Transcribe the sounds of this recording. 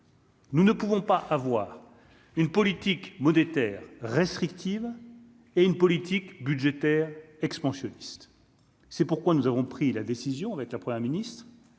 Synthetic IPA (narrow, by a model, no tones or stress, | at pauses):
nunəpuvɔ̃paʔavwaːʁ | ynpɔlit̪ikmɔnet̪ɛːʁːest̪χikt̪iv | eynpɔlit̪ikbyd̪ʒet̪ɛʁɛkspɑ̃sjɔnist̪ | sɛpuʁkwanuzavɔ̃pχilad̪esizjɔ̃avɛkləpχəmjɛʁminist̪χ